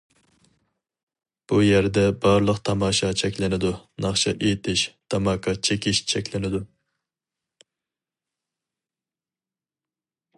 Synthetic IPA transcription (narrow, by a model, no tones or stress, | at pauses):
b̥ujæɾd̪ɛbɑɾlˠəqt̪ʰɑmɑːʃɑt͡ʃʰɛkʲlɪnɪd̪unɑχʃɑʔejt̪ʰɪʃt̪ʰɑmɑːkʰɑt͡ʃʰekʲɪʃt͡ʃʰɛkʲlɪnɪd̪u